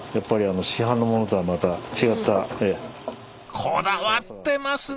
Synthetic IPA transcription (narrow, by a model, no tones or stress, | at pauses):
japːaɾʲiano̞ɕiɦãnːo̞mo̞no̞t̪o̞amat̪at͡ɕiɡat̪ːae | kʰod̪aβat̪ːe̞masɨ